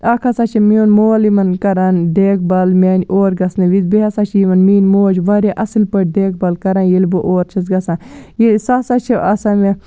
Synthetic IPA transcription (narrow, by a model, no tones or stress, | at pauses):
akʰasat͡ʃʰimionmoːlimɐnkɐɾaːnɖeːk̚bɐlmʲeːnʲʔoːɾɡɐsnɨʋizbeɦasaːt͡ʃʰimɐnmiːnmoːd͡ʒʋɐɾaʔɐsilpɐʈ̚ɖeːk̚bɐlkɐɾaːnjilbɨʔoːɾt͡ʃʰɐzɡɐsãːjisasat͡ʃʰiʔɐsaːme